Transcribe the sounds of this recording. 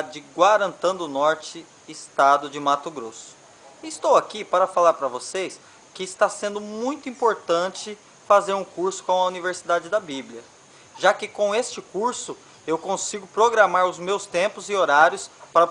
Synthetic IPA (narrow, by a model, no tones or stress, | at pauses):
d͡ʒɪd͡ʒɪɡwaɾɐ̃nt̪ɐ̃d̪ʊnɔɾt͡ʃɪ | ɪst̪ad̪ʊd͡ʒɪmat̪ʊɡɾosʊ̥ | ɪːst̪owakipaɾɐfalaɾpɾɐvosejs | kɪːst̪asẽnd̪ʊmũj̃t̪ʊĩpoɾt̪ɐ̃t͡ʃɪ | fazeɾũkuɾsʊ̥kõw̃ɐuniveɾsid̪ad͡ʒɪd̪ɐbiblʲiɐ | ʒakɪkõw̃est͡ʃɪkuɾsʊ | ewkõsiɡʊpɾoɡɾamaɾʊzmewst̪ẽmpʊzɪoɾaɾjʊspaɾɐ